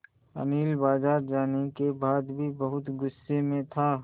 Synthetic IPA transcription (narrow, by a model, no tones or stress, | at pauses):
ə̰niːlbaːd͡ʒaːɾd͡ʒaːnekebaːd̪bʱibɐɦʊt̪ɡʊsːemẽt̪ʰaː